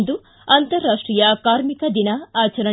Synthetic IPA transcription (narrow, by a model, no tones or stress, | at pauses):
d̪u | ɐnt̪ɐɾːaːʂʈɾijɐkaːɾmikɐd̪inɐaːt͡ʃɐɾɐ